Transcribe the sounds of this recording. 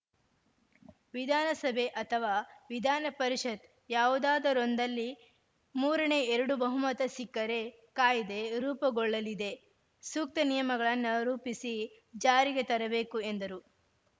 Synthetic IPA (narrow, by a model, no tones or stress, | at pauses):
ʋid̪ʱaːnɐsɐbʱe̞ʔɐt̪ʰɐʋaːʋid̪ʱaːnɐpɐɾiʃɐt̪ | jaːʋud̪aːd̪ɐɾond̪ɐlːi | muːɾɐne̞eɾɐɽubɐɦumɐt̪ɐsikːɐɾe̞ | kaːjid̪e̞ɾuːpɐɡɔɭːɐlid̪e̞ | suk̚t̪ɐnijɐmɐɡɐɭɐnːɐɾuːpisi | d͡ʒaːɾiɡe̞t̪ɐɾɐbe̞ːkue̞nd̪ɐɾu